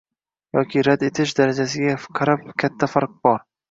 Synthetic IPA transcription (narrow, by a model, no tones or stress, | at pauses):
jɒkʲiɾad̪e̞t̪ʰɪʃd̪aɾad͡ʒasɪɡʲaqʰɑɾap̚kʲʰat̪ʰːafaɾq̚bɒɾ